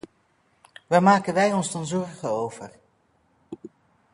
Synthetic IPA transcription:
ʋamaːkənʋɛjɔnzdɑnzɔɹχəowv̥əɹ

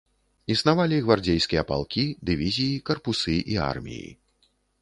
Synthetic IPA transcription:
isnavalʲiɣvard͡zʲejskʲijɛpa̰lˠkʲid̪ɨvʲizʲijikɐrpusɨʔia̰rmʲḭjḭ

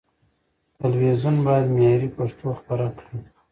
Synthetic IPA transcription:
t̪alwezunbɑjad̪mjɑɾipaʂʈʰoxpaɾakɽi

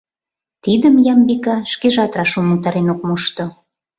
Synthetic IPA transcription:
t̪id̪əmjɑmbikɑʃkeʒɑt̪rɑʃumut̪ɑɾenok̚muʃt̪o

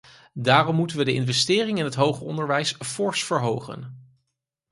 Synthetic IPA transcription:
daːrɔmːutənʋədəɪ̰nvɛstɪːrɪŋɪnɦətɦowχəɔndəɹʋɛjsfɔɹsfəɹɦowχə̰n

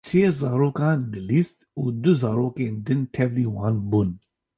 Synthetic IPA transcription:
sʰeːzɑːɾoːkɑːnd̪ɨliːst̪uːd̪ʊzɑːɾoːkeːnd̪ɨnt̪ʰɛvliːwɑːnbuːn

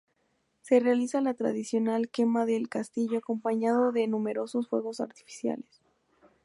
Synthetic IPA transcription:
se̞realisalat̪ɾa̰ð̞isjo̞nalke̞maðelkast̪iʝoako̞mpaɲað̞o̞ðe̞nume̞ɾo̞so̞sfwe̞̰ɣo̞sa̰ɾt̪i̥fi̥sja̰les

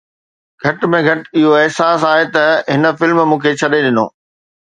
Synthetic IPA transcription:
ɡʱɐʈmẽɡʱɐʈɪɦoɛɦsaːs̬aːɦet̪ɐɦɪnə̆fɪlmmũːkʰet͡ɕʰɐɗeɗɪno̰ː

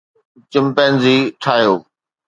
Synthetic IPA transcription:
t͡ɕɪmpẽːnziːʈʰaːɦjoː

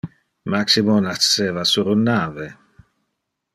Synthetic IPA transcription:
maksimonaseːvasuɾunːaːve

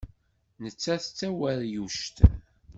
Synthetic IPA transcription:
nət͡sːæθət͡sːæwæɾjuʃt̪

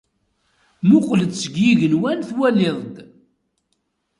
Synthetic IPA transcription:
mʊqləd̪səɡjiʝəlwænθwælɪðˤd̪

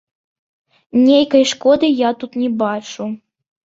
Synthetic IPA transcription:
nʲejkɐjʂkɔd̪ɨjat̪ut̪nʲɛbat͡ʂu

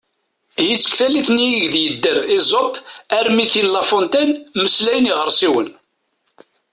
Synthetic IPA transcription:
jisə̥kθæliθnjiɡðjəd̪ːəɾizˤopæɾmiθinlɑfont̪ænməslæjəniʁəɾˤsiwən

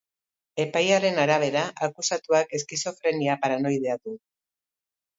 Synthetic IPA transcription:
e̞pajaɾe̞naɾaβ̞e̞ɾaʔakusat̪uake̞skiso̞fɾe̞niapaɾano̞jðe̞aðu

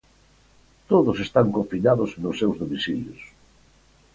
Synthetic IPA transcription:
t̪oðʊsest̪aŋkofinaðʊznʊsːewzðomisiljʊs

